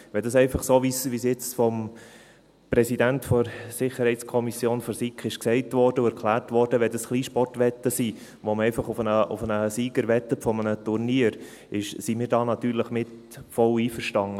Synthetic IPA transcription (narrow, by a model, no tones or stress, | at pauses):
ʋɛldɑsɛɪfɑχsoːʋisʋisjɪt͡sfɔm | pɾɛsidæntfɔɾsɪχəɾhɛɪtskʰɔmisjoːnfɔɾsikχɪʃksɛɪtʋɔɾdəʊɛɾkʰlæːɾtʋɔɾd̥əʋɛldɑsχliːʃpɔrtʋɛtːəsi | ʋoməɛɪfɑχʊfənəʊ̰fənəsiːɡəɾʋɛtːəfɔmənətʊɾniːəɾ | ɪʃsimɪːɾdɑːnɑt̪yːɾləχmɪt | fɔliːfəɾʃtɑŋə